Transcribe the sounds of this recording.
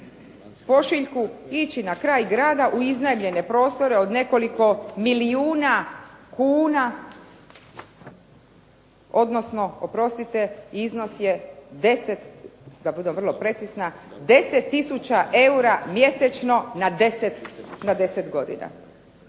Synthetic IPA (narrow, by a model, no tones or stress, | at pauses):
po̞ʃiʎkuit͡ʃinakɾaːjɡɾaːd̪aʔuiznajmʎe̞ne̞pɾo̞ːst̪o̞ɾe̞o̞d̪ne̞ko̞liko̞miliuːnakuːna | o̞d̪no̞sno̞opɾo̞st̪it̪eiizno̞sje̞d̪e̞set̪d̪abud̪emr̩lˠo̞pɾe̞t̪sisnad̪e̞set̪ːisut͡ɕaʔe̞uɾamje̞set͡ʃno̞nad̪eset̪nad̪e̞set̪ɡo̞d̪ḭna̰